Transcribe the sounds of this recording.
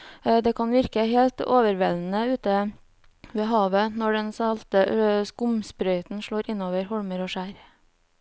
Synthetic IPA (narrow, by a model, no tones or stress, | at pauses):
d̪ɛːkʰɑnʋɪɾkəheːlt̪o̰ːʋəɾʋɛln̩əʉːt̪ə | ʋeːɦɑːʋənɔɖɛnsɑlt̪əskʊmspɾœʏt̪n̩ʃɭoːɾɪnːoːʋəɾhɔɽməɾoːʃæːɾ